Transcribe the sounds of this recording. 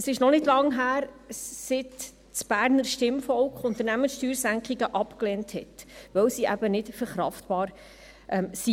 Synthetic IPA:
əsɪʃnɔnɪdlɑŋɦæːɾ | sɪt | t͡sb̥æːɾnəɾʃtɪmfɔlkχʊnt̪əɾnæmənsʃtyːɾsæŋkχiɡəʔɑpkleːnthɛtʋœwsiʔæbənɪtfəɾχɾɑ̰ftpɑːɾ | ʔɛmsi

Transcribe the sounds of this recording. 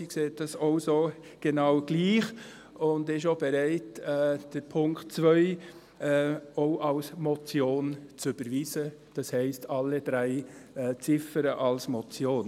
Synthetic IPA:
ikseːt̚dɑsoʊsoː | ɡ̥enɑʊɡ̥liːχ | ʊndɪʃ̬obɛɾæɪtɛd̥əɾpʰʊŋktt͡svœʏ | oʊʔɑlsmɔt͡sjoːnt͡sʏb̥əɾviːzəd̥ɑshɛɪstʰɑlːəd̥ɾæɪɛt͡sɪfəɾəʔɑlsmɔt͡sjoːn

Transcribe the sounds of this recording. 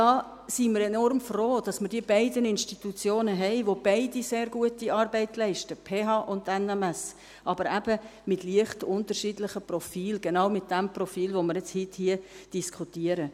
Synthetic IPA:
d̥ɑː | simɪɾɛnɔrmfroːd̥ɑsməɾdiːəbæɪdənɪnʃtitut͡sjoːnəɦɛɪʋob̥æɪdiseːɾɡuətiʔɑːɾbɛɪtlɛɪʃtəpʰeːɦɑːʔʊndɛnɛmɛs | ʔɑbəɾæb̥əmɪtliəχtʊntəɾʃiːdlɪχəprɔfiːlɡ̥enɑːʊmɪt̚d̥æmprɔfiːlʋomɪɾjɛt͡shɪthiəd̥iskʰutiəɾə

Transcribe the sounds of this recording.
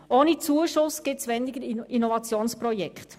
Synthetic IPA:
oːnit͡suəʃʊsɡ̥ɪtsʋɛnɪɡəɾinɔvɑt͡sjoːnspɾɔjɛkχt

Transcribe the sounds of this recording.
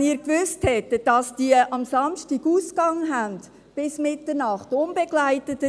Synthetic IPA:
niːɾkvʏsthɛtəd̥ɑsd̥iəʔɑmsɑmʃtiɡuːskɑŋəɦænd | b̥ɪsmɪtəɾnɑχtʊnbeɡlæɪtətə

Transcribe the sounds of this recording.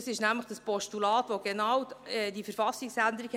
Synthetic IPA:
sɪʃnæmləχd̥əspɔʃtulɑːtʋoɡ̥ɛnɑwɛdifəɾfɑsɪksænd̪əɾik

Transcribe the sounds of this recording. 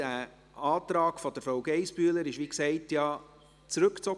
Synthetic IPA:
æ | ɑːtɾɑːkfɔd̥əɾfɾawɡ̥ɛɪspyːələɾɪʃʋiksɛɪtjɑ | t͡sɾɵkt͡sɔ

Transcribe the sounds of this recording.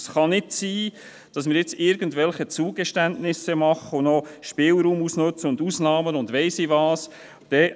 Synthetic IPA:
sχɑnɪtsiː | d̥ɑsmɪːɾjɪt͡sɪɾɡəntʋɛlχət͡suːɡəʃtæntnɪsəmɑχəʊnɔʃpɪːlɾuːmusnɵt͡səʊndusnɑːmənʊndvʋɛɪsɪʋɑːs | d̥ɛ

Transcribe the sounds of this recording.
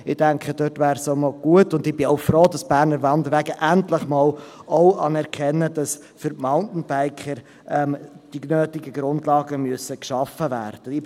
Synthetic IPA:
ɪd̥æŋkʰχəd̥øtʋæːɾsomɔlɡ̥uətʊndɪb̥ɪoʊfɾoːdɑsb̥æːɾnəɾvɑnd̪əɾʋæɡəʔæntləχmɑːlɔʊɑnɛɾkʰɛnːədɑs | fʏɾtmaʊntn̩b̥æɪkχəɾ | ɛmd̥inøːtɪɡəɡ̥ɾʊndlɑːɡəmyəsəkʃɑfəvæ̰ːrd̥əɪ

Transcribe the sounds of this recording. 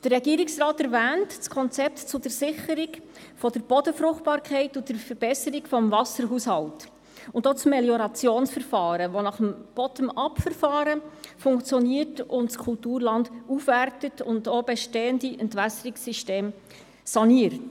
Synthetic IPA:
d̥ərːɛɡiːəɾɪksrɑːtæɾvæːntt͡skʰɔnt͡sɛp̚tt͡sʊdəɾsɪχəɾiɡ | fɔdəɾb̥ɔdəfɾʊχt̚b̥ɑːɾkʰɛɪtʊd̥əɾfəɾb̥ɛsəɾikfɔmvɑsəɾɦuːshɑlt | ʊndot͡smɛljɔɾɑt͡sjoːnsfəɾfɑːɾəʋonɑχəmb̥ɔtəmɑpfəɾfɑːɾəfʊŋkt͡sjɔniərtʊntskʰʊltuːɾlɑndufværtətʊndoːbɛʃteːəndiʔəntvæsəɾiksiʃteːm | sɑniəɾt

